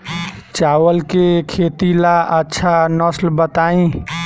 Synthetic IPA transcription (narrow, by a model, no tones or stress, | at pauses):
t͡ʃawəlkekʰet̪ilaʔətːʃʰanəslbət̪aĩ